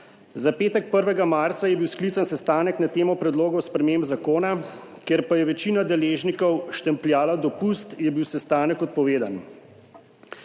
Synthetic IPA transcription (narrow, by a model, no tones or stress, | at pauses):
zapeːt̪ɛk̚pəɾʋɛɡamaːɾt̪sajɛbiwsklit̪sansɛst̪aːnɛknat̪eːmɔpɾɛd̪loːɡɔwspɾɛmembzakoːna | kjeɾpajɛʋɛt͡ʃiːnad̪ɛleːʒnikɔwʃt̪ɛmpljaːlad̪ɔpust̪jɛbiwsɛst̪aːnɛkɔt̪̚pɔʋeːd̪an